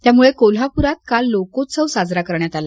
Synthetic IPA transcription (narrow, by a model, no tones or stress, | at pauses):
t̪jamuɭekol̤apuɾat̪̚kalːokosəwsad͡zɾakəɾɳjat̪ala